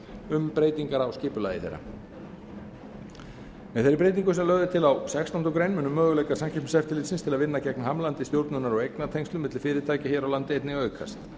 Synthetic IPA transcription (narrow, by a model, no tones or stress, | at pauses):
ʏmpɾeːjt̪iŋkaɾawscɪːpʏla̰ːjðɪ̰θḛjɾːa̰ | mɛðθeɾipɾejt̪̬iŋk̬ʏsɛmlœɣðɪt̪ʰɪlawsɛkst̪awnt̪ɔkɾejnmʏnʏmːœːɣʏlɛjkaɾsamcʰɛmsɛft̪ɪlɪːt̪sɪnst̪ʰɪlaðvɪnːacɛknɦamlant̪ɪst̪jowɾt̪nʏnaɾɔwejknat̪ʰejŋst̪lʏmɪt̪lɪlfɪːɾɪt̪ʰaːjcɪçɛːɾawlant̪ɪejt̪nɪœːɥkʰa̰st̪